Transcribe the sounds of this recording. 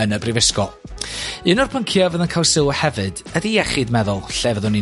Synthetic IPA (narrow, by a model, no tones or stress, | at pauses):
ənəbrivɪskɔlˠ | ɨnɔrpʰəŋkʰjɔvəðənkʰalˠsɪwəhɛvɨdədijɛχɪdmɛðʊlˠɬɛvəðʊni